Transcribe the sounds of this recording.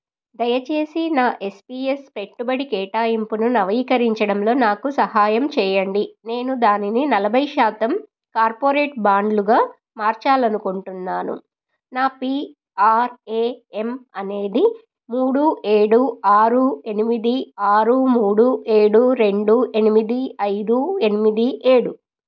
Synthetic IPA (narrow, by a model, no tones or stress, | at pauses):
d̪ɐjɐt͡ʃe̞ːsinaːʔe̞spiːespe̞ʈːubɐɽikɛːʈaːimpununɐʋɐiːkɐɾiɲt͡ʃɐɽɐmlo̞ːnaːkusɐhaːjɐmt͡ʃɛːjɐɳɖine̞ːnud̪aːnininɐlɐbʱɐjʃaːt̪ɐm | kaːɾpoːɾeːʈ̚baːɳɖluɡaː | maːɾt͡ʃaːlɐnukuɳʈunːaːnṵ | naːpiː | aːɾeːemɐne̞ːd̪i | muːɽue̞ːɽuaːɾue̞nimid̪iaːɾumuːɽue̞ːɽuɾe̞ɳɖue̞nimid̪iɐjd̪ue̞nimid̪iʔe̞ːɽu